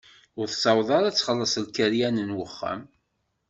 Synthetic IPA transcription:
ʊɾθsˤɑwðˤɑɾˤæt͡sːχəlːəsˤlkəɾjænənwəχːæ̰m

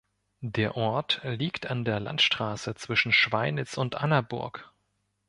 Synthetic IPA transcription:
deːɐʔɔɐtliːktandeːɐla̰ntʃtʁ̥aːsət͡sv̥ɪʃn̩ʃv̥aɪnɪt͡sʊntʔanɐbʊ̰ɐk

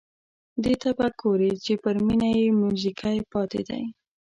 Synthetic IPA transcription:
d̪et̪abaɡoɾet͡ʃepəɾminajemuzikʰajpɑt̪ḛd̪a̰j

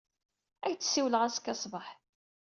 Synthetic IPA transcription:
æjt͡sːsːiwləʁæskːɑsˤbəħ

